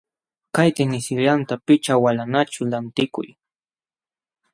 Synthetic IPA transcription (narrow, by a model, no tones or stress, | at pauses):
kajt̪ɪnɪsɪʎant̪apɪt͡ʃawalanat͡ʃʊlant̪ɪkʊ̰j